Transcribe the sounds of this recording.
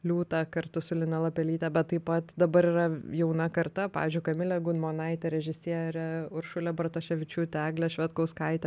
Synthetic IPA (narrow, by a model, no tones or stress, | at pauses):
lʲuːt̪ɑːkɐɾt̪ʊsʊlʲɪnɐlˠɐpʲɛlʲiːt̪ʲɛbʲɛt̪tːɐɪpɐt̪d̪ɐbɐɾiːɾɐjɛʊnɐkɐɾt̪ɐpɑ̰ːʋʲizʲd͡ʒʲʊɪkɐmʲɪlʲɛɡʊnmoːnɐɪt̪ʲɛɾʲɛʒʲɪsʲiɛɾʲɛʊɾʃʊlʲɛbrɐt̪oːʃʲɛʋʲɪt͡ʃʲuːt̪ʲæːɡlʲɛʃʲʋʲɛt̪koʊskɐɪt̪ʲɛ